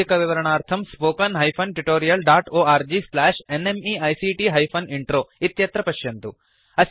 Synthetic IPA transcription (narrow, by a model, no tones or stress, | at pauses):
ikɐʋiʋɐɾɐɳaːɾt̪ʰɐmspoːkɐnɦɐjpʰɐnʈuʈoːɾijɐlɖaːʈoːaːɾd͡ʒislaːʂenemiːɐjsiːʈiɦɐjpʰɐniɳʈɾoːit̪jɐt̪ɾɐpɐʃjɐnt̪u | ɐ